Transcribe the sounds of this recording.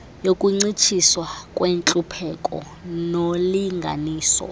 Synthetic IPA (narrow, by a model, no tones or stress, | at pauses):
jokʼuŋ͡ǀit͡ʃʰiswakʼwent͡ɬʼupʰɛkʼɔ̰ | noliŋɡʱa̰niːsɔ̰